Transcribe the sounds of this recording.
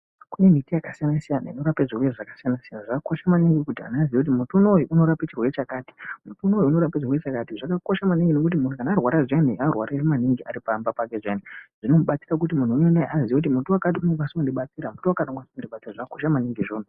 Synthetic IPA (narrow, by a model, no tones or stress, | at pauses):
kune̞mitijakasijanasijana̰ino̞ɾapeʐirweʐakḁsijanasijanaʐakakoʃamaniŋɡikutia̰naziekut̬imutunojuʔuno̞ɾapet͡ʃirwe̞t͡ʃakaːti̥mutunojuuno̞ɾapet͡ʃirwet͡ʃakatiʐakakoʃamaniŋɡinokut̬imun̤ukanaːrwaɾaʐaniarwaɾaiɾimaniŋɡiʔa̰ɾipambapake̞ʐjaniʐ̥ino̞muɓat͡siɾak̬ut̬imun̤uunenaaziekutimutuwakat̬iunoŋɡwasoondiɓat͡siɾamutuwakaɗoŋɡwasoondiɓat͡siraʐakako̞ʃamaniŋɡiʐoːnu